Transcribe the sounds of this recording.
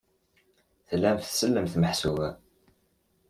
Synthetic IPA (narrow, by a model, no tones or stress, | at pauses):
θlːæmθθsəlːəmθməħsuvæ